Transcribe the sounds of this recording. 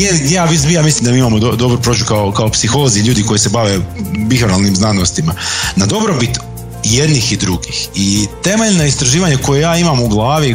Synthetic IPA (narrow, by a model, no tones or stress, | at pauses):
ejaːʋismijaːmislimd̪amiːimamo̞d̪od̪o̞bɾupɾo̞ːd͡ʒukaokaopsixo̞lˠoziʎuːd̪iko̞jise̞baʋe̞bixoɾalˠnimznanost̪imanad̪o̞bɾobit̪ | jed̪nixid̪ɾuɡixit̪e̞me̞ʎnoist̪ɾaʒiːʋaɲako̞jejaːimamuɡlˠaːʋi